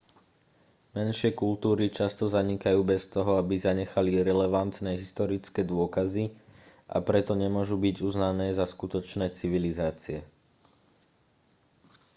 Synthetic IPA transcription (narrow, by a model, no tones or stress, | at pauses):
mɛnʃɪɛkult̪uːɾit͡ʃast̪ɔzaɲikajuːbɛst̪ɔɦɔabizaɲɛxaliɾɛlɛʋant̪nɛːɦist̪ɔɾit͡skɛːd̪ʊɔkazi | ʔa̰pɾɛt̪ɔɲɛmʊɔʒubiɟuznanɛːzaskut̪ɔt͡ʃnɛːt͡siʋilizaːt͡siɛ